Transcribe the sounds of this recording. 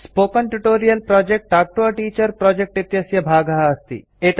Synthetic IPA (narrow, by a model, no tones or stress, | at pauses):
spoːkɐnʈuʈoːɾijɐlpɾɔd͡ʒek̚ʈak̚ʈoɐʈiːt͡ʃɐɾpɾɔːd͡ʒek̚ʈit̪jɐsjɐbʱaːɡɐɦɐːst̪ḭ | et̪